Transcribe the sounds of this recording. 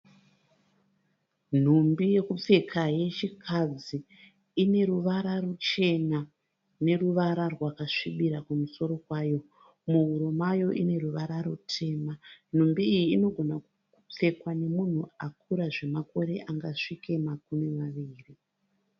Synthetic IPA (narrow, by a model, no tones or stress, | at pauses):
n̤umbije̞kup͡fe̞kʰaje̞t͡ʃikʰad͡ziː | ne̞ɾuʋaɾarut͡ʃe̞na | ne̞ruʋaɾarwakaʂiɓiɾakumuso̞ɾo̞kwaːjo̞ | muɦuɾomajo̞ʔine̞ruʋaɾaɾutʰe̞ːman̤umbiːjiːno̞ɡʱo̞na | up͡fe̞kwane̞mun̤uak̚ʰuɾaʐe̞mako̞ɾe̞ʔaŋɡaʂike̞makumemaʋiːri